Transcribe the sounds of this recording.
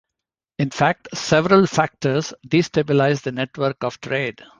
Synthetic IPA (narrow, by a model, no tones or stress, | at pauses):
ɪ̃nfæk̚ʈsɛʋəɾəlfæk̚ʈəɾzɖiːsʈebɪlaɪzd̪əneʈʋəɾkɔʋʈɾeːɖ